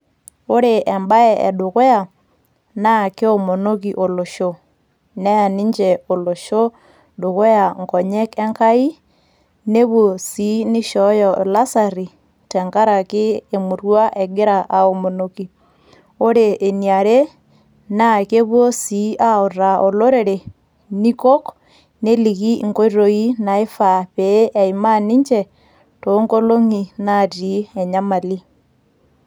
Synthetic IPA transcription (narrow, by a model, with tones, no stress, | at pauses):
o˦ɾe˨ʔɛ˨mba˦ɛ˨ʔɛ̰˨ɗʊ˨ɣo˦a˨ | na˦˨ke˦o˨mo˨no˦k̬i˨ʔo˨lo˨ʃo˦ | nɛ˦a˨ni˦ɲd͡ʒɛ˨o˨lo˨ʃo˦ | ɗʊ˨ɣo˦ja˨ŋkɔ˨ɲɛ˦kɛ˦ŋka˦i˦ | ne˦βwo˨si˨˦nɪ˦ʃɔ˨˦jɔ˨la˦sa˨ɾi˨ | tɛ˨ŋka˦ɾa˨kɪ˦e˨mu˨rwa˦ʔɛ˨ɡɪ˦ɾa˨ʔa˨o˨mo˨no˨ki˨ | o˦ɾe˨ʔːnia˨ɾe˦ | na˦ke˦βwo˦si˦ʔa˦o˨ɾa˨o˨lo˦ɾe˨ɾe˨ | ni˦ko˦k | ne˦li˨ɣi˦ŋko˦i˦ɾo˨i˦na˨e˦fa˨βe˨˦ʔa˨i˨ma˦ni˦ɲt͡ʃɛ˨ | to˨˦ŋɡo˦lo˦ŋi˨na˦˨ti˨˦ɛ˨ɲa˦ma˨li˦